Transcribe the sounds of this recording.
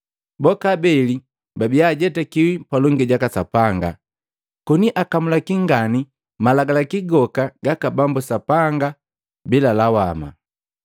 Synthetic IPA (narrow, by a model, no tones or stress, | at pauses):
bɔkabɛli | babiaɟɛtakiwipalɔŋɡiɟakasapaŋɡa̰ | kɔniʔakamulakiŋɡani | malaɡalakiɡɔkaɡakabambusapaŋɡa | bilalawama̰